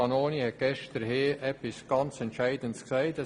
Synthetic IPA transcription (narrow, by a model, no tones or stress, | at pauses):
ɑnoːnihɛt̚ɡ̥ɛʃtəɾheːʔɛpisɡ̥ɑnt͡sɛntʃæɪdəntsksæɪtɛ